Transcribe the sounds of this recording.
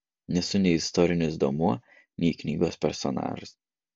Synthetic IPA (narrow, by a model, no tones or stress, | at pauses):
nʲɛsʊnʲɛɪɪst̪ɔɾʲɪnʲʊsd̪omuɔ | nʲɛɪknʲiːɡoːspʲɛɾsɔ̰nɑ̰ːʒʊs